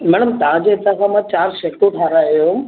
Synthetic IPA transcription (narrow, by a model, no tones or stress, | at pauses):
mɛːɽəmt̪ɐʋãd͡ʑeɪt̪ãkʰãmãt͡ɕaːɾʃekoʈʰaːɾaːjõ